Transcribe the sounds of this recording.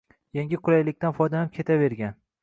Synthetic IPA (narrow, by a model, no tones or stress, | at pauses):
jaŋɡʲɪqʰʊɾajlɪkʲt̪anfɒjd̪anɪp̚kʲʰe̞t̪ʰave̞ɾɡʲan